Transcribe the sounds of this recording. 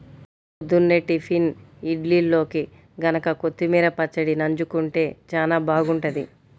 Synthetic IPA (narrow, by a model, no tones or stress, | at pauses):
od̪ːunːeʈːipʰiniɖlilːo̞ːki | ɡɐnɐkɐkot̪ːimiːɾɐpɐt͡ʃːɐɽinɐɲd͡ʒukuɳʈe̞ːt͡ʃaːlaːbaːɡuɳʈɐd̪i